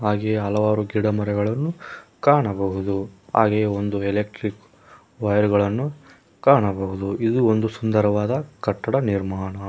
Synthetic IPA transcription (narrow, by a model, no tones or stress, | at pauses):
ɦaːɡeɦɐlɐʋaːɾuɡiɽɐmɐɾɛɡɐɭɐnːukaːɳɐbɐɦud̪uɦa̰ːɡejond̪ueleːk̚ʈɾik | ʋɐjɐɾuɡɐɭɐnːu | kaːɳɐbɐɦud̪uid̪uond̪usund̪ɐɾɐʋaːd̪ɐkɐʈːɐɽɐniɾmaːɳɐ